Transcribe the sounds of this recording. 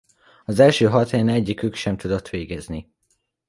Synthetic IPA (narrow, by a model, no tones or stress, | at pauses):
ɒzɛlʃøːɦɒt̪ɛnɛɟːikykʃɛmt̪ud̪o̞t̪ʋeːɡɛzni